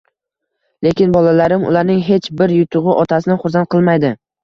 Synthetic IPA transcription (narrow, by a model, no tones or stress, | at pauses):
le̞kʲɪnbɒlalaɾɪmʊ̰laɾnɪŋɦe̞t͡ʃbɪɾjʊt̪ʰʊʁɨʔɒt̪ʰasɪnɪχʊɾsant̪̚qʰɨlˠmajd̪ɪ